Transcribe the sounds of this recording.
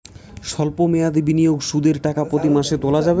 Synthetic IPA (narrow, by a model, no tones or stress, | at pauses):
ʃɔlpomejad̪ibinijoɡʃud̪eɾʈakapɾot̪imaʃet̪olad͡ʑabe